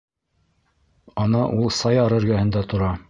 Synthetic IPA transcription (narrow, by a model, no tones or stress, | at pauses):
ɑnɑʔulˠsɑjɑɾɤ̆ɾɡæhɘ̆nd̪æt̪ŏɾɑ